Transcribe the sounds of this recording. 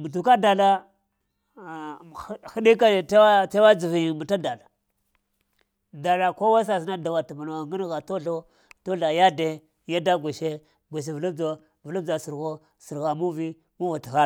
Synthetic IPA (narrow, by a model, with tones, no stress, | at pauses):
mu˨t̬u˨ka˦da˨la˦˨˦ | xi˦ɗi˦ka˦˨ta˦ta˦wa˦d͡zi˨vi˨ji˨mu˨ta˦da˨la˨ | da˨la˨ko˦wa˦s̬a˨sna˦da˨wa˨ti˨ma˨na˨wa˨ŋɡi˦n˦ɣa˨to˦ɬo˦ | to˦ɬa˨ja˦de˦ | ja˦da˦ɡʷe˨ʃe˦ | ɡʷe˨ʃ̬e˨vu˨lu˦bd͡zo˦ | vu˨lu˦d͡za˨si˨ɾɣo˦ | si˨ɾɣa˨mu˦vi˦ | mu˦va˨ti˨ɣa˦˨